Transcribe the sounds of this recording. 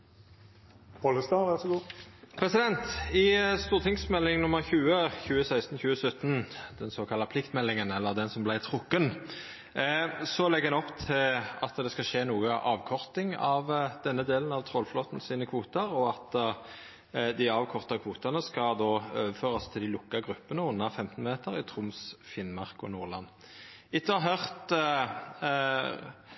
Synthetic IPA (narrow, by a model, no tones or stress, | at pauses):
bɔləst̪ɑːʋæʁsɔɡuːpʰʁɛsɪd̪ɛnt̪ɪst̪uːʁt̪ʰɪŋsmɛlːɪŋnʊməʁçʉːəçʉːəsæɪst̪n̩çʉːəsœt̪ːnd̪̥ɛnsoːkʰɑlːɑpʰlɪkt̪mɛlːɪŋənɛlːəʁd̪ɛnsɔmblæɪt̪ʰʁʊkːən | sɔlɛɡɛnɔpːt̪ʰɪlɑt̪d̪ɛskɑʃeːnuːəʔɑːʋkʰɔʁt̪ɪŋɑʋd̪̥ɛnːəd̪eːlənɑʋt̪ʰʁoːlfloːt̪n̩siːnəkʰʋuːt̪əʁɔɑt̪ | d̪æɪɑːʋkʰɔʁt̪ɑkʰʋuːt̪ɑnəskɑd̪oːøːʋəføːʁɑst̪ʰɪld̪ɪlʊkːɑɡʁʉpːənəʊnːɑfɛmt̪n̩meːt̪əʁɪt̪ʰʁʊmsfɪnmɑʁkɔ̰nuːʁlɑn | ɪt̪ːəɑɦœʁt̪